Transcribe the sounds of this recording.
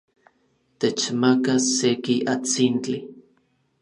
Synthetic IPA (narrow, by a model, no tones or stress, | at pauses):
t̪et͡ʃmakasekiʔat͡sint͡ɬi